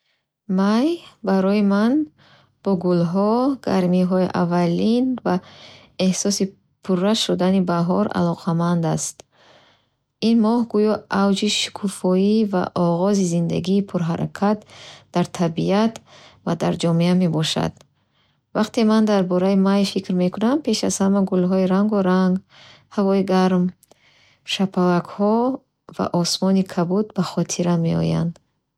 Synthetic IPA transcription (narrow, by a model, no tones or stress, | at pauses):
majbaɾɔiman | b̥ɔɡulɦɔɡ̥aɾmiɦɔiʔa̰valinva | ehsɔsi | pʰurːaʃud̪anibaɦɔɾa̰lɔqʰamand̪ast̪ | inmɔhɡujɔʔawd͡ʒiʃi̥kʰufɔiva̰ʔɔʁɔzizind̪a̰ɡiːpʰuɾɦaɾa̰kʰat̪̚d̪̥aɾt̪ʰabiat̪vad̪aɾd͡ʒɔmeame̞bɔʃa̰d̪̥ | vaqt̪emand̪aɾbɔɾaimajfikɾme̞kʰunampʰe̞ʃaz̥hamaɡulɦɔiɾaŋɡuɾaŋɡ | havɔiɡaɾm | ʃapʰalakhɔ | va̰ʔɔsmɔnikʰabud̪baχɔt̪ʰiɾame̞ɔ̰ja̰nd̪